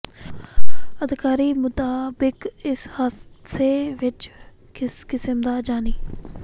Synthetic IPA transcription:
əd̪kaːɾiːmʊt̪aːbɪkɪshaseʋɪt͡ʃ | kɪsəmd̪aːd͡ʒaːniː

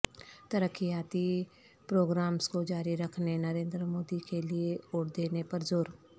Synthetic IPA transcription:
t̪əɾəkʰːijaːt̪i | pɾoːɡɾaːmskod͡ʒaːɾiɾɐkʰnenəɾẽːnd̪ɾəmoːd̪ikelieoːɽd̪eːnepɐɾzoːɾ

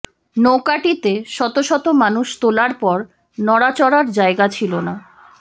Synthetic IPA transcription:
nokaʈit̪eʃɔt̪oʃɔt̪omanuʃt̪olaɾpɔɾ | nɔɽat͡ɕɔɽaɾd͡ʑaeɡat͡ɕʰilona

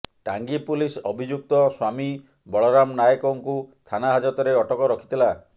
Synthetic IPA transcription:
ʈaŋɡipulisɔbʱid͡ʒuk̚t̪ɔswami | bɔɭɔɾamnajɔkɔŋkust̪ʰanaɦad͡ʒɔt̪ɔɾeɔʈɔkɔɾɔkʰi̥t̪ila

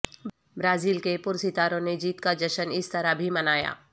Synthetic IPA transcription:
bɾaːziːlkepʊɾsɪt̪aːɾõned͡ʒiːt̪kad͡ʒɐʃənɪst̪ɐɾabʱimɐnaːja̰ː

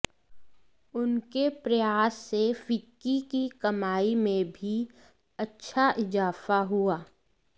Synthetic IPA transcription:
ʊnkepɾɐjaːsːefɪkːikikɐmaːimẽbʱi | ɐtːʃʰaʔɪzaːfaɦuaː

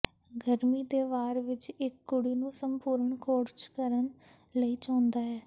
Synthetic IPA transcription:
ɡəɾmiːd̪eːʋaːɾʋɪt͡ʃɪkːʊɽiːnũːsəmpuːɾəɳkʰoːɾt͡ʃkəɾən | ləiːt͡ʃãːnd̪aːɛː

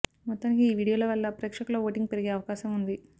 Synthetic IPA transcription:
mɔt̪ːaːnikiːʋiːɽijoːlɐʋɐlːɐpɾeːkʂɐkuloʋoːʈiŋɡ̚peɾiɡe̞ːɐʋɐkaːʃɐmund̪i

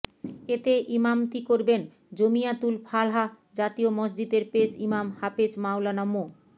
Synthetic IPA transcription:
et̪eʔimamt̪ikoɾben | d͡ʑomiat̪ulpʰalɦa | d͡ʑat̪iomɔd͡ʑd͡ʑid̪eɾpeʃimamhaped͡ʑmawlanɔmu

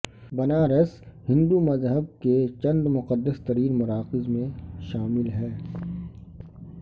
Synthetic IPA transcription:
bɐnaːɾəshɪ̃nd̪umɐzɦəb̚ket͡ʃɐ̃nd̪mʊqəd̪ːəst̪ɐɾiːnmʊɾaːqɪzmẽʃaːmɪlɦɛː

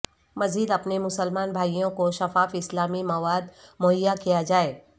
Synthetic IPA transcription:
mɐziːd̪ɐpnemʊsəlmaːnbʱaːijõkoʃɐfaːfɪslaːmimɐʋaːd̪moɦɪjːakijad͡ʒaːeː

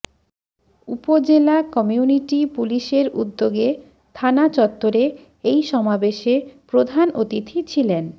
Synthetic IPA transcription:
upod͡ʑelakɔmiuniʈipuliʃeɾud̪ːoɡe | t̪ʰanat͡ɕɔt̪ːoɾe | ejʃɔmabeʃepɾod̪ʱanot̪it̪ʰit͡ɕʰilen

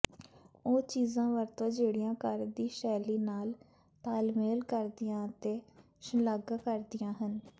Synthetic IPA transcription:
oːt͡ʃiːzãːʋəɾt̪õːd͡ʒeːɽɪjãːkəɾd̪iːʃɛːliːnaːl | t̪aːlmeːlkəɾd̪ɪjãːt̪eː | ʃələɡakəɾd̪ɪjãːɦən

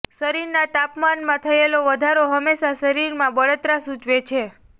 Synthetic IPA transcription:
səɾiɾnat̪apmanmãt̪ʰəeloʋəd̪ʱaɾoɦəmeʃasəɾiɾmãbəɭət̪ɾasut͡ʃʋet͡ʃʰe

